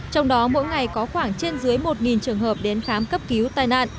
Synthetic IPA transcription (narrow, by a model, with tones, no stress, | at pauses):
t͡ɕɔ˧wŋ͡mɗɔ˨˦mo̰˧˥jŋa˨˩jkɔ˨˦xwaː˧˩ŋt͡ɕe˧nzɨ˨˦əjmo˨˩t̚ŋi˨˩nt͡ɕɨ˨˩əŋɦəː˨˩p̚ɗe˨˦nxaː˨˦mkə˦˥p̚ki˨˦wt̪aː˧jna̰ː˧˨ʔ